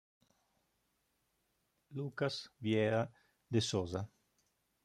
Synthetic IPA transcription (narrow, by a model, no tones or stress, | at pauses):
lukasvjɛɾa | d̪esɔza